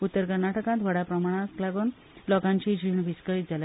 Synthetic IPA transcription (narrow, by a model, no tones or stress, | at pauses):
ut̪ːəɾkəɾnaʈəkãt̪ʋəɽapɾəmaɽ̃ãklaɡuːn | lɔkãɲt͡ɕid͡ʑʱiɳbʱiskəɭiːt̪̚d͡zalj